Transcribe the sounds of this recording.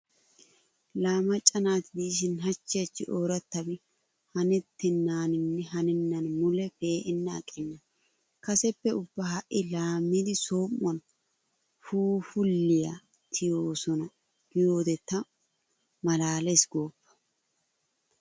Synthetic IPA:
laːmɐt͡ʃʼːɐnaːt̪ɪd̪iːʃ̬ɪnɦɐt͡ʃːet͡ʃːɪʔoːɾɐt̪ːɐbɪ | hɐnɛt̪ːɪnːaːnɪnːɛɦɐnɪnːɐnmʊlɛfe̞ːʔɪnːɛɐ̰kʼːɪnːɐ | kɐsɛpːɛʊbːɐhɐʔɪlaːmːid̪ɪsoːmːɔn | fuːfʊlːɪja | t̪ʰɪjoːsɔnɐ | ɡ̥ɪjo̞ːd̪ɛt̪ːɐ | mɐlaːlɛsɡoːpːɐ̥

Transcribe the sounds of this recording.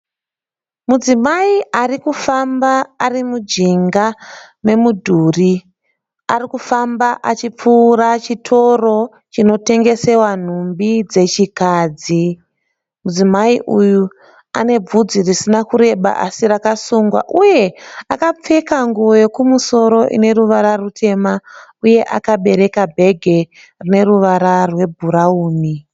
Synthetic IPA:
mud͡zimaiarikufambaːrimud͡ʒiŋɡa | ne̞mudʱuːri | arikufambaʔat͡ʃip͡fuːrat͡ʃitʰo̞ro̞ | t͡ʃino̞te̞ŋɡe̞se̞wan̤umbid͡ze̞t͡ʃikaːd͡zi | mud͡zimaiʔuju | ane̞b͡vud͡zirisinakuɾe̞ɓa̰ʔasirakasuŋɡwa̰ʔuje̞akap͡fe̞kaŋɡuojo̞kumuso̞ɾo̞ʔḭne̞ɾuʋaɾarutʰe̞mauje̞ʔa̰kaɓe̞ɾe̞kabʱe̞ɡʱe̞ | rine̞ruʋaɾarwe̞bʱuɾauːni

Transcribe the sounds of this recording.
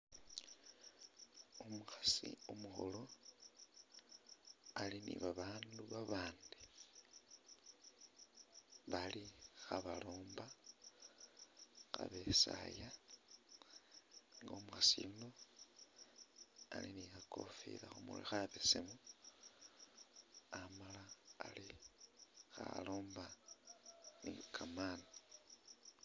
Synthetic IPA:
omuxasḭomuxolo̞ | alinḭβaβaːnduβaβaːndi | βalixaβaloːmba | xa̰βe̞sa̰ja | ŋɡomuasino | alinixakʰofḭlaxomṵlixaβesemu | amalaːli | xaloːmba | nikʰaman

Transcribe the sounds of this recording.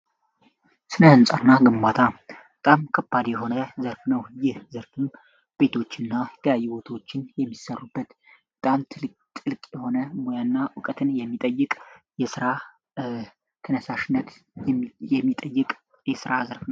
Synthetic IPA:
sɨnəhɨnsʼanːaɡɨmbat̪ʰabət̪ʼamkʰəbːad̪jɛɦo̞nəzəɾfnəwjɪhzəɾfɨm | b̥e̞t̪ʰo̞t͡ʃːɨnːajɛt̪ʰəljajːuwot̪ʰwot͡ʃːɪnjɛmːisərubːət̪ | bət̪ʼamt̪ʰɨl | t̪ʼɨlkʼjɛho̞nəmojanːaʔʊkʼət̪ʰɨnjɛmːit̪ʼəjːɨkʼ | jɛsɨɾa | t̪ʰənəsaʃɪnːət̪ | jɛmːit̪ʼəjːɨkʼ | jɛsɨɾazəɾfnəw

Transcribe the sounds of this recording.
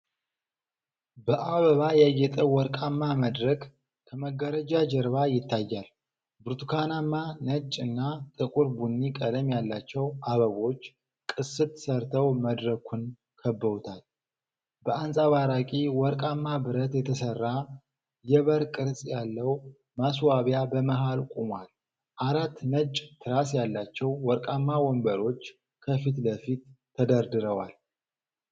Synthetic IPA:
bəʔaβəβajɛjːɛt̪ʼəwɔɾkʼamːaməd̪ɾək | kʰəməɡːəɾəd͡ʒad͡ʒəɾβajɪt̪ʰːajːal | bɨɾt̪ʰukʰanamːanət͡ʃʼːɨnːat̪ʼɨkʼuɾbunːikʼələmjalːat͡ʃːɛwʔaβəβo̞t͡ʃː | kʼɨsːɨt̪səɾt̪ʰəwməd̪ɾəkʰun | kʰəbːəut̪ʰal | bəansʼaβaɾakʼiwɔɾkʼamːabɨɾət̪jɛt̪ʰəsərːa | jɛβəɾkʼɨɾsʼjalːəw | maswaβjabəməɦalkʷʼumwal | ʔaɾat̪ːnət͡ʃʼːt̪ʰɨɾasjalːat͡ʃːɛwwɔɾkʼamːawɔmbəɾo̞t͡ʃː | kʰəfit̪ləfit̪ʰː | əd̪əɾd̪ɨɾəwal

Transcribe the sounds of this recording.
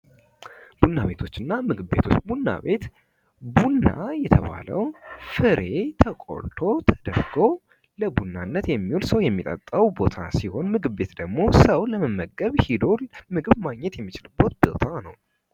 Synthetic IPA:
b̥unːaβe̞t̪ʰo̞t͡ʃːɨnːamɨɡɨbe̞̰t̪ʰot͡ʃːbunːa̰βe̞t̪ | bunːa̰jɛt̪ʰəβa̰lə̰wfɨɾe̞t̪ʰəkʼo̞̰ɾt̪ʰo̞t̪ʰəd̪əɾɡo̞ | ləbunːanːət̪jɛmːiolsəwjɛmːit̪ʼə̰t̪ʼːəwbo̞t̪ʰasiho̞nmɨɡɨbe̞t̪d̪əɡmo̞səwləməmːəɡːəβhid̪o̞lmɨɡɨβmaɡɲɛt̪jɛmːit͡ʃɪlɨbːot̪̚bo̰t̪ʰanəw

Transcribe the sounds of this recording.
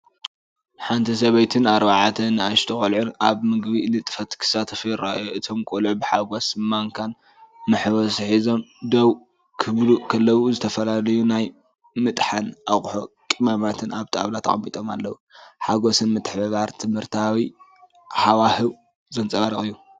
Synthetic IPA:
ħant̪ʰis̬ɐβɐjt̪ʰɨnaɾβaʕat̪ʰɨnːɨaʃt̪ʰɨkʼolʕunaβmɨɡbinɨt̪ʼɨfɐt̪kʰɨ̥sat̪ʰɐfɨjɾaʔjoɨt̪ʰo̞mkʼolʕubɨħaɡo̞smaŋkʰan | mɨħwɔsħizo̞md̪ɐw | kʰɨβluʔkʰɐlːɐwuzɨt̪ʰɐfɐlalɐjunaj | mɨt̪ʼħanʔaχʼħokʼimamat̪ʰɨnaβt̪ʰʼɨa̰βlat̪ʰa̰χʼɐmːit̪ʼo̞ma̰lːɐwuħaɡo̞sɨnmɨt̪ʼɨħbɐβaɾt̪ʰɨmhɨɾt̪ʰawi | ħawahɨw | zɐnt͡sʼɐβaɾɨχʼɨjːu

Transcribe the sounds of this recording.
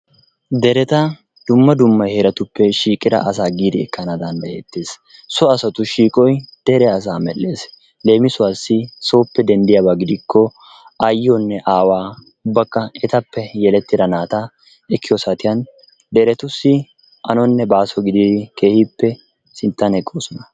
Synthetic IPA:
d̪ɛɾɛt̪ɐ | d̪̥ʊmːɐd̪ʊmːɐjhɛɾɐt̪ʊpːɛʃiːkʼɪd̪ɐ̰ʔɐs̬aːɡiːd̪ɪɛkːɐnad̪ɐnd̪ɐjeːt̪ːe̞ːs | sɔɐsɐt̪ʊʃiːkʼɔjd̪̥ɛɾɛɐs̬aːmɛlːe̞ːs | le̞ːmɪsʊaːsːɪso̞ːpːɛd̪ɛnd̪ɪjabaɡɪd̪ɪkːɔ | ʔɐjɪɔnːɛʔaːwaː | ʊbːɐkːɐɛt̪ɐpːɛjɛlɛt̪ːɪd̪ɐnaːt̪ɐ | ɛkːɪjɔsɐt̪ɪjɐn | d̪ɛɾɛt̪ʊsːɪ | ɐnɔnːɛbaːsɔɡɪd̪ɪd̪ɪke̞ːhɪpːɛ | sɪnt̪ːɐnɛkʼːoːsɔnɐ

